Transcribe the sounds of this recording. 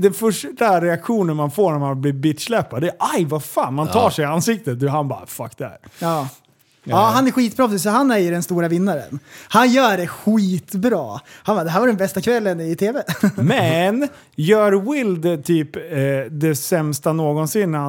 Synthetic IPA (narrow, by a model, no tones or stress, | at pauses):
d̪ɛnfœʂʈaɾɛakɧuːnənmanfoːɳæɾmanblibɪt̪slɛpːad̪ɛːʔajvafaːnmanʰɑːʂɛansɪk̚t̪ət̪̚d̪ʉɦanbɑ̰ːfa̰kːd̪ɛhæ̰ːɾɑː | ɑːɦanæɾɧiːt̪̚bɾɑːpʰsɪsɔɦanæjəɖɛnst̪uːɾavɪnːaɾə̰nhanjœːɖɛɧiːt̪bɾɑ̰ːhanbaːd̪ɛɦæːɾvaɖɛnbɛst̪akʰvɛlːənɪt̪ʰeːvɛmmɛn | jœːɾwɪld̪t̪ʰyːpːd̪ɛsɛmst̪anoːɡɔnsɪnːɾa